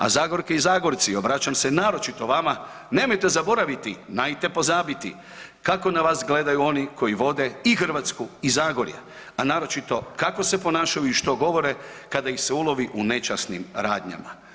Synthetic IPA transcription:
a̰zaːɡo̞ɾke̞izaːɡo̞ɾt̪sio̞bɾat͡ɕamsenaːɾo̞t͡ʃit̪o̞ʋama | neːmo̞jt̪e̞zabo̞ɾaʋit̪inajt̪e̞po̞zaːbit̪ḭ | kako̞naʋaːsɡle̞d̪ajuo̞niko̞jiʋo̞d̪e̞ixr̩ʋat̪skuizaːɡo̞ɾjḛ | anaːɾo̞t͡ʃit̪o̞kako̞sepo̞naːʃajuiʃt̪o̞ɡo̞ʋo̞ɾe̞kad̪aixseulo̞ʋiʔune̞t͡ʃasnimɾa̰ːd̪ɲa̰ma̰

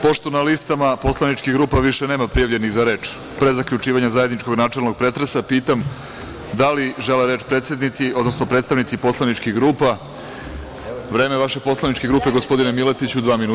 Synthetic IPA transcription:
po̞ʂt̪onalist̪amapo̞slˠanit͡ʃkiɡɾuːpaʋiʃene̞ːmapɾijaʋʎe̞niɣzaɾe̞ːt͡ʃ | pɾe̞zakʎut͡ʂiːʋaɲazajed̪nit͡ʃko̞ɡnaːt͡ʂelˠno̞ɡ̚pɾe̞t̪ɾesapiːt̪am | d̪aliʒe̞leɾeːt͡ʃpɾe̞t̪se̞d̪nit̪sio̞d̪no̞sno̞pɾe̞t̪st̪aʋnit̪sipo̞slˠanit͡ʃkiɣɡɾuːpa | ʋɾe̞ːmeʋaʃe̞po̞slˠanit͡ʃkeɡɾuːpe̞ɡo̞spo̞d̪inemilet̪it͡ɕud̪ʋaːminu

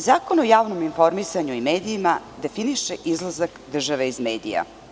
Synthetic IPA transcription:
zaːko̞nojaːʋno̞minfo̞ɾmisaɲuimeːd̪iimad̪e̞finiʃeʔizlˠazakd̪r̩ʒaʋeizmḛːd̪ḭja̰

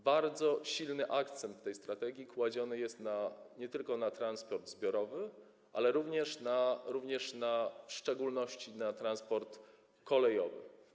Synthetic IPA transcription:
baɾd̪zɔɕilnɘʔakt̪sɛnt̪fːɛjst̪ɾat̪ɛɡʲjikwad͡ʑɔnɘjɛst̪naɲɛt̪ɘlkɔnat̪ɾanspɔɾd̪zbʲjɔɾɔvɘ | ʔa̰lɛɾuvɲɛʂnaɾuvɲɛʂnafʂt͡ʂɛɡulnɔɕt͡ɕinat̪ɾanspɔɾt̪ | kɔlɛjɔvɘ̰

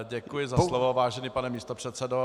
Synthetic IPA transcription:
ɟɛkujɪzaslovovaːʒɛniːpanɛmiːst̪opr̥ɛt̪sɛdo

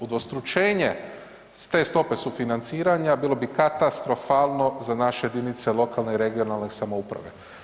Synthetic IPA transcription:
ud̪ʋost̪ɾut͡ʃe̞ːɲe | st̪e̞st̪o̞pe̞sufinant̪siːɾaɲabiːlˠo̞bikat̪ast̪ɾo̞faːlˠno̞zanaʃejed̪init̪se̞lˠo̞kalˠneiɾe̞ɡionalnesamo̞upɾa̰ʋe̞̰

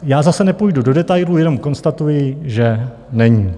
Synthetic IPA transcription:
jaːzasɛnɛpujdudo̞dɛt̪ajlujɛno̞mko̞nst̪at̪ujɪʒɛ | nɛɲiː

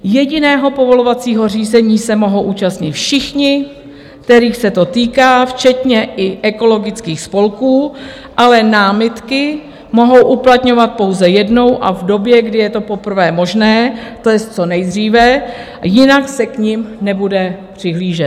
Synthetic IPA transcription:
jɛɟɪnɛːɦo̞po̞vo̞lo̞vat͡siːɦo̞r̝iːzɛɲiːsɛmo̞ɦo̞wʔuːt͡ʃast̪ɲɪt̪fʃɪxɲɪ | kt̪ɛɾiːxsɛt̪o̞t̪iːkaːft͡ʃɛt̪ɲɛʔɪʔɛko̞lo̞ɡɪt͡skiːxspo̞lkuː | ʔalɛnaːmɪt̪kɪ | mo̞ɦo̞wʔuplat̪ɲo̞vat̪̚po̞wzɛjɛdno̞wʔa̰vdo̞bjɛɡdɪjɛt̪o̞po̞pr̩vɛːmo̞ʒnɛːt̪o̞jɛst͡so̞nɛjd̪r̝iːvɛ | jɪnaksɛkɲɪmnɛbudɛpr̝̥ɪɦliːʒɛt̪

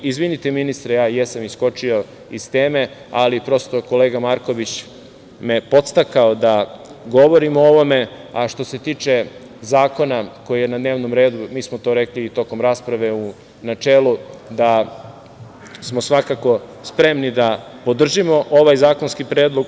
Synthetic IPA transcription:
izʋinit̪eminist̪ɾejaːjesamisko̞t͡ʃio̞ | ist̪eːme̞ | alipɾo̞st̪o̞ko̞leːɡamaɾko̞ʋit͡ɕ | me̞po̞t̪st̪akaod̪aɡo̞ʋo̞ɾimooʋo̞me̞aʃt̪o̞se̞t̪iːt͡ʃe̞ | zaːko̞nako̞jijenad̪neːʋnomɾeːd̪umiːsmot̪o̞ɾekliːt̪o̞ko̞mɾaːspɾaʋe̞u | nat͡ʃeːlˠud̪a | smo̞sʋakako̞spɾe̞mnid̪a | po̞d̪r̩ʒimo̞ʔo̞ʋajzaːko̞nskipɾeːd̪lˠo̞ɡ

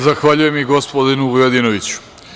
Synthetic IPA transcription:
zaxʋaʎuje̞miɡospod̪inuʋujod̪inoʋit͡ɕu̥

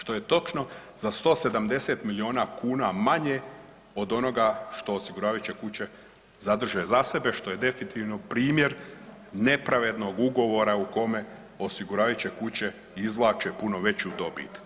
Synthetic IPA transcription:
ʃt̪o̞je̞t̪o̞t͡ʃno̞zast̪o̞ːse̞d̪amd̪e̞se̞t̪milio̞ːnakuːnamaɲe | o̞d̪o̞no̞ɡaʃt̪o̞ːsiɡuɾaːʋajut͡ɕe̞kut͡ɕe̞ | zad̪r̩ʒezase̞be̞ʃt̪o̞je̞d̪e̞finit̪iʋnopɾiːmje̞ɾne̞pɾaʋe̞d̪no̞ɡuɡo̞ʋo̞ɾauko̞me̞ | o̞siɡuɾaːʋajut͡ɕe̞kut͡ɕe̞ | izʋlˠaːt͡ʃepuno̞ʋe̞t͡ɕeud̪o̞bḭt̪

